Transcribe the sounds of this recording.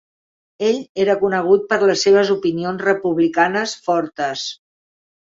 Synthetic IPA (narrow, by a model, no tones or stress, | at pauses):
eʎeɾəkunəɣ̞ut̪̚pəɾləsːeβ̞əzupinionzrəpuβlikanəsfɔɾt̪əs